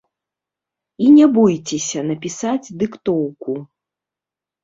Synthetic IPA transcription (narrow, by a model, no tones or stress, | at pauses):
inʲɛbɔjt͡sʲɛsʲɐnɐpʲisad͡zʲd̪ɨkt̪ɔwku